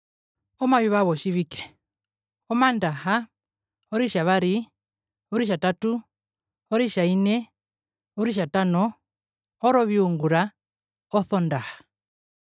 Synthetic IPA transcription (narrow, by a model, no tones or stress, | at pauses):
ɔmaβiβaβɔʃiβikɛ̥ | ɔmandaha | ɔɾiʃaβaɾi | ɔɾiʃ̬atatu | ɔɾiʃainɛ | ɔɾiʃ̬atanɔ | ɔɾɔβiuŋɡuɾa | ɔθɔndahḁ